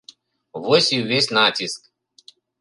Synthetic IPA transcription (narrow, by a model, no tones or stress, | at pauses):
ʋɔsʲiwʲesʲnatʲisk